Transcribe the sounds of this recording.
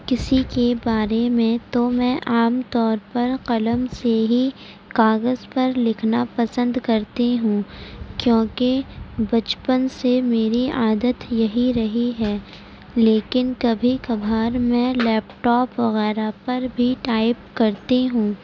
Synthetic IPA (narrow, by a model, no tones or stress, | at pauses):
kɪsikebaːɾemẽt̪omɛ̃ʔaːmt̪ɔːɾpɐɾqɐləmseɦi | kaːɣəzpɐɾlɪkʰnapɐsə̃nd̪kɐɾt̪eɦũːkjõːkebɐt͡ʃpənsemeːɾiaːd̪ət̪jɐɦiɾɐɦiɦɛː | leːkɪnkɐbʱikɐbʱaːɾmɛ̃lɛːpʈɔːpʋɐɣɛːɾapɐɾbʱiʈaːɪp̚kɐɾt̪eɦũː